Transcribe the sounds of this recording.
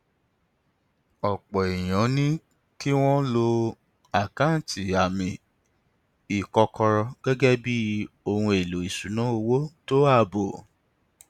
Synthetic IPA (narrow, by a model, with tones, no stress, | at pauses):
ɔ˨k͡pɔ˨i˨j̃ɔ̃˨˦nĩ˦ | ki˦w̃ɔ̃˦lo˧ | a˨kã˨˦˨tʰi˨a˨mĩ˨ | i˨kɔ˧kʰɔ˧ɾɔ˧ɡ̥ɛ˦ɡɛ˦bi˦o˧hũ˧e˨lo˨i˨su˨nã˨˦o˧wo˦to˦a˦˨bo˨